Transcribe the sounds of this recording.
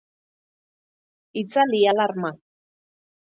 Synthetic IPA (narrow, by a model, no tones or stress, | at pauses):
it͡salialaɾma